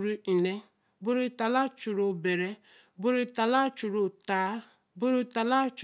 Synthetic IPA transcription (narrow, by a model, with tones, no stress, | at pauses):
ɾi˦i˨ne˦ | bu˦ɾu˦ta˨la˦t͡ʃu˨ɾo˦˨be˨ɾe˦ | bu˦ɾi˦ta˨la˦t͡ʃu˨ɾo˨ta˨˦ | bu˦ɾu˦ta˨la˦t͡ʃ